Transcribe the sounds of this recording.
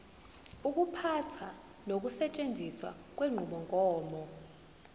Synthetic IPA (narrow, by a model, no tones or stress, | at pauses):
uk̬ʼupʰatʰa | nok̬usɛt͡ʃʼend͡zʱiswa̰k̬ʼweŋ͡ǃʱuɓɔŋkʼɔːmɔ